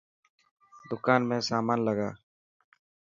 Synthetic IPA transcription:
d̪ʊkaːnmẽːsaːmaːnləɡaː

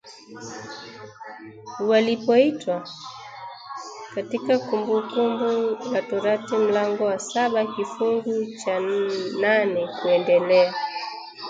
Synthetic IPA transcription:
walipɔitwa | katikakumbukumbulatɔɾatim̩laŋɡɔwasaɓakifuŋɡut͡ʃananɛkuɛndɛlɛa

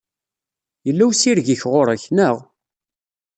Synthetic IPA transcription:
jəlːæwsiɾʝəçʁoɾæçnəʁ

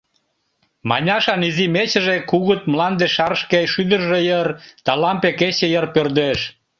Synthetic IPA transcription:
mɑ̰nʲɑʃɑnizimet͡ɕəʒekuɣət̪̚mlɑnd̪eʃɑɾʃkejʃyd̪ərʒejərt̪ɑlɑmpeket͡ɕejərpørd̪eʃ

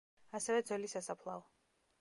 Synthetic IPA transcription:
asɛvɛd̪zɛlisasapʰlˠaɔ

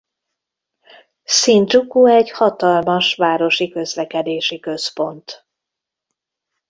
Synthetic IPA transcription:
siːnd͡ʒukuɛɟhɒt̪ɒlmɒʃʋaːɾo̞ʃikø̞zlɛkɛd̪eːʃikø̞spo̞nt̪

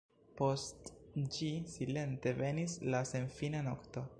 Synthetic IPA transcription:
po̞std͡ʒisile̞nte̞ve̞nislase̞nfinanokto̞

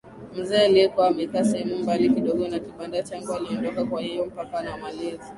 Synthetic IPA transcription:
m̩zɛːaliɛkwaamɛkaːsɛhɛmumbalikiɗɔɠɔnakiɓandat͡ʃaŋɡualiɔndɔkakwahijɔm̩pakanamalɛzi

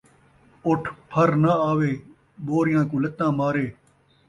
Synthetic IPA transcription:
ʊʈʰpʰəɾnəaːʋeː | boːɾɪjãːkũːlət̪ːãːmaːɾeː

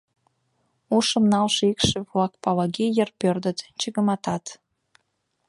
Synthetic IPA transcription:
uʃə̆mnɑlʃikʃevlɑk̚pɑlɑɣijərpørd̪ə̆t̪t͡ɕəɣə̆mɑt̪ɑt̪

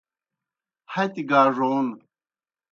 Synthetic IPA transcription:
hɐjt̪iɡaːʐoːn

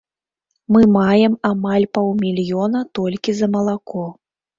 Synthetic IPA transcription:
mɨmajɛmamalʲpawmʲilʲjɔnɐt̪ɔlʲkʲizɐmɐlˠakɔ

